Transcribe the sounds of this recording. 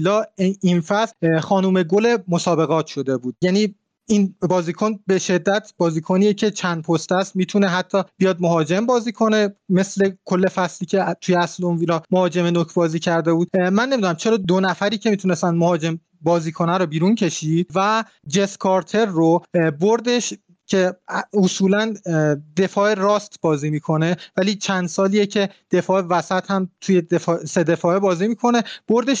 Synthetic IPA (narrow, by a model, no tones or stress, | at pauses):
lɒːinfæsxɒːnuːme̞ɡole̞mosɒːbe̞ɣɒːt̪ʰʃo̞d̪e̞buːd̪jæniː | inbɒːziːkʰonbe̞ʃe̞d̪ːæt̪ʰb̥ɒːziːkʰoniːjecʰe̞t͡ʃʰænd̪̚pʰost̪æst̪miːt̪ʰuneɦæt̪ʰːɒːbijɒːd̪̚moɦɒːd͡ʒe̞mbɒːziːkʰo̞neme̞slekʰolːe̞fæsliːcʰe̞t̪ʰujeæslonvilɒmohɒːd͡ʒe̞menokʰbɒːziːcʰæɾd̪e̞buːd̪mænːemid̪unæmt͡ʃʰe̞ɾɒːd̪onæfæɾiːcʰe̞miːt̪ʰune̞st̪ænd̪̚mohɒːd͡ʒe̞m | bɒːziːkʰo̞næɾobiːɾuncʰe̞ʃiːd̪̥̚væ | d͡ʒe̞skʰɒɾt̪ʰe̞ɾːoboɾd̪e̞ʃ | cʰe̞osuːlænd̪e̞fɒːʔeɾɒːst̪bɒːziːmiːkʰo̞ne̞væliːt͡ʃʰænd̪sɒːliːjecʰe̞d̪̥e̞fɒːʔevæsæt̪ʰhæmt̪ʰujed̪efɒːse̞d̪e̞fɒːebɒːziːmiːkʰo̞ne̞b̥oɾd̪e̞ʃ